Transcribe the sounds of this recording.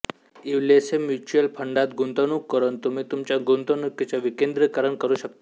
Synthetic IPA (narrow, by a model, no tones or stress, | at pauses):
iʋlesemjut͡ʃuəlpʰəɳɖat̪ɡʱunt̪onũkəɾənt̪umet̪umt͡ʃaɡunt̪onũket͡ʃaʋikẽnd̪ɾəkəɾənkəɾũʃək̚t̪a